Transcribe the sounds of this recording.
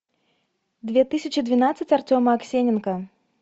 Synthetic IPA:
d̪vʲɛt̪ɨsʲɐt͡ʃid̪vʲinat̪sːɨt͡sʲart͡sʲɔmɐːksʲenʲɛnkɐ

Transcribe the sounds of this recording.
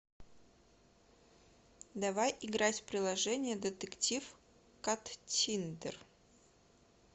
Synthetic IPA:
d̪ɐvajɪɡɾatʲpɾʲɪlˠɐʐɛnʲɪjəd̪ət̪ɨktʲif | kɐt̪tʲind̪ər

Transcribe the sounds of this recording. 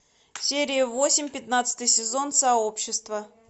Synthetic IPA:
sʲeɾʲɪjəvo̞sʲɪmʲpʲɪt̪nat̪sɨ̥t̪ɨjsʲɪzo̞nsɐo̞pɕːɪst̪və

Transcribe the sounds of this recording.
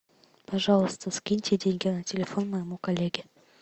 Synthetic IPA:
pɐʐɑlˠəst̪əskʲinʲtʲedʲeŋʲɡʲenatʲelʲefo̞nmɐjmukɐlʲːeɡʲɪ

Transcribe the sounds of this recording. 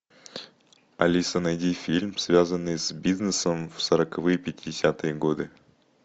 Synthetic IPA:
ɐlʲisənɐjdʲifʲilʲmsvʲazənːɨjsbʲiznɨsəmfsəɾəkɐvɨjəpʲɪtʲɪdʲɪsʲat̪ɨjəɡod̪ɨ

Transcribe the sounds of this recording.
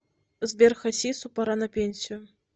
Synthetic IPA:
zʲbʲɛrxɐsʲisupaɾanɐpʲenʲsʲijʊ

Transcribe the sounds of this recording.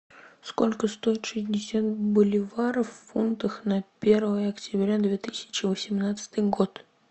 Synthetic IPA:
sko̞lʲkəst̪o̞ɪt̪ʂɨzʲdʲɪsʲat̪̚bʊlʲɪvaɾəfːunt̪əxnɐpʲe̞rvəjəɐktʲɪbɾʲad̪vʲe̞t̪ɨsʲɪ̥t͡ɕɪvəsʲɪmnat̪sɨ̥t̪ɨjɡo̞t̪

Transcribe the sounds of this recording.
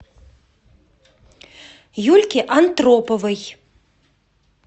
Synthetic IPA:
julʲkʲiʔant̪rɔpovɨj

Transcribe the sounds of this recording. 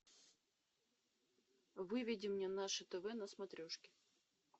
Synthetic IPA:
vɨvʲidʲɪmnʲɛnaʂɨt̪ɛvɛnɐsmɐt̪ɾʲoʂkʲɪ̥

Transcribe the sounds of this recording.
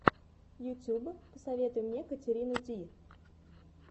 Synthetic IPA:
jʊtʲubəpəsɐvʲe̞t̪ʊjʊmnʲekətʲɪɾʲinʊdʲi

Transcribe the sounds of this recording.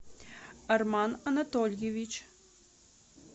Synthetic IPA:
ɐrmanɐnɐt̪ɔlʲjevʲit͡ɕ

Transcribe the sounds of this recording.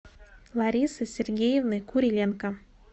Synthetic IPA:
lˠɑɾʲisɨsʲerɡʲejevnɨkuɾʲilʲenkɑ

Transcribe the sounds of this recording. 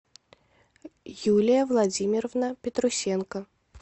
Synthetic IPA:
julʲɪjəvlˠɐd͡zʲimʲɪɾəvnəpʲɪt̪ɾʊsʲenkə

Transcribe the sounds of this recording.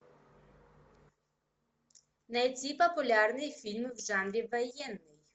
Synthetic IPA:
nɐjt͡sʲipɔpʊlʲɑrnɪjfʲilʲmɪwʒɑnɾʲiʋɐjɛnːɪj

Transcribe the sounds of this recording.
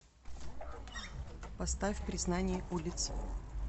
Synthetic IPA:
pɐst̪afʲpɾʲɪznanʲɪjəʔulʲɪt̪sɨ̥

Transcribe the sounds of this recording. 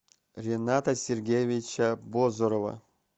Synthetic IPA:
rʲenat̪asʲerɡʲejevʲit͡ɕabozoɾova̰

